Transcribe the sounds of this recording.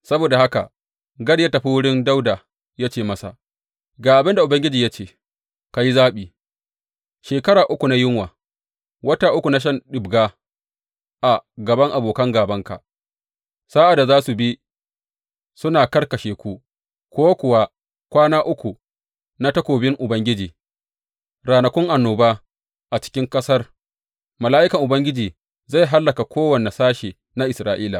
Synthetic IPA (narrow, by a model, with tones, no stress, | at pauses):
sɐ˦boː˨da˨ha˦ka̰˨ | ɡɐ˦ɽjɐ˦tɐ˨ɸi˦wʊ˦ɽɪ˦nda˦wda˨ | jaː˦t͡ʃeː˦˨mɐ˦sa̰˨ | ɡaː˨ʔa˨bɪ˦nda˨ʔʊ˨bɐ˦ŋɡʲɪ˦d͡ʒiː˨ja˦t͡ʃeː˦˨ | ka˨ji˦zaː˦ɓiː˨ | ʃeː˨kɐ˦ɽaː˨ʔʊ˦kʷu˨na˦jɪ˦ŋwaː˨ | wɐ˦ta˦ʔʊ˦kʷu˨na˦ʃ̬ɐ˦nɗɪ˨bɡaː˦ | ʔa˨ɡɐ˨bɐ˦ŋʔa˨boː˨kɐ˦ŋɡaː˨bɐ˦ŋka̰˨ | saː˦ʔa˨da˨zaː˦su˨bi˦ | sʊ˦naː˨kɐ˦rkɐ˨ʃeː˨kʷu˦ | kʷoː˦kʷʊ˨wa˦ | kʷaː˦naː˦ʔʊ˦kʷu˨ | na˦tɐ˦kʷoː˨bɪ˦ŋʔʊ˨bɐ˦ŋɡʲɪ˦d͡ʒiː˨ | ɾaː˨nɐ˨kʷʊ˦ŋʔa˨nːoː˨baː˦ | ʔa˨t͡ʃɪ̥˦kʲɪ˦ŋkɐ˦sɐ˦r | mɐ˨laː˦ʔɪ˦kɐ˨ŋʔʊ˨bɐ˦ŋɡʲɪ˦d͡ʒiː˨ | za˦˨ɦa˦lːɐ˨ka˨kʷoː˦wɐ˨ne˨saː˦ʃeː˨ | na˦ʔɪ˨sɾaː˦ʔiː˦la˨